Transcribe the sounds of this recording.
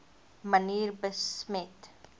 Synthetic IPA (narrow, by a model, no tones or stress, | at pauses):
məniːrbəsmɛt